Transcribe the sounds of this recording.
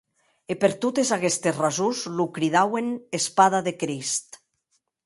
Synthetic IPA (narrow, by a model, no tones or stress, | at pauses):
epeɾt̪ot̪ezaɣest̪esrazuzlukɾiðawenespaðaðekɾist̪